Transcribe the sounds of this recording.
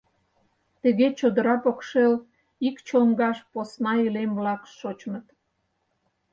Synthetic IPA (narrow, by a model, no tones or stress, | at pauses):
t̪əɣet͡ɕod̪əɾɑpokʃel | ikt͡ɕoŋɡɑʃposnɑilemblɑkʃot͡ɕmət̪